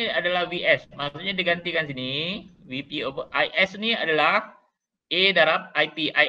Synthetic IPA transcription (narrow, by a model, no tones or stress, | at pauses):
iadalahwiʔɛsmassut̪̚ɲadiɡant̪ikansiniwipiobəʔajʔɛsnia̰dalah | edaɾap̚ajpiʔaj